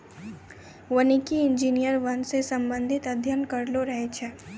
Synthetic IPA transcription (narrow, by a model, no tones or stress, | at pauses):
ʋənikiɪ̃nd͡ʒiːnijəɾʋɐnsesɐ̃mbə̃nd̪ʱɪt̪ɐd̪ʱjənkɐɾloɾɐɦet͡ʃʰɛː